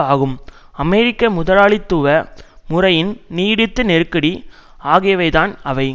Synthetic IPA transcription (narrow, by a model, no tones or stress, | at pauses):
aːɣɯm | ɐmɛɾɪkːɐmʊðɐlaːɭit̪ːuːʋɐmʊrɐjɪnniːɽɯt̪ːɯnɛɾɯkːɐɽi | aːɣɪjɐʋɐɪðaːnɐʋɐɪ